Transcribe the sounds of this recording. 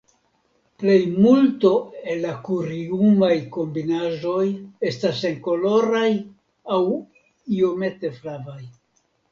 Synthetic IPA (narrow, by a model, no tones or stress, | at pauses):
ple̞jmulto̞e̞lːakuɾiumajko̞mbinaʒo̞je̞stase̞ŋko̞lo̞ɾaj | aw | io̞me̞te̞flavaj